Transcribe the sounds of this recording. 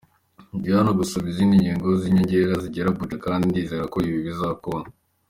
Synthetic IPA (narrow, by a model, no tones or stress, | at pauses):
ɟianoɡusaβizindiɲɟiːŋɡoziɲaɲɟeɾaziɟeɾabud͡ʒekaːndindiːzeɾakoiβiβizakona